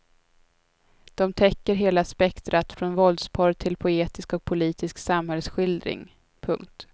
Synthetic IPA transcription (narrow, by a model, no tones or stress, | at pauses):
d̪̥ɔmt̪ʰɛkːəɾɦeːlaspɛkt̪ɾat̪fɾɔnvɔld̪spʰɑːɾt̪ʰɪlpʰʊeːt̪ɪskɔk̚pʰʊliːt̪ɪsksamhɛlsɧɪld̪ɾɪ̰ŋ | pʰɵ̰ŋk̚t̪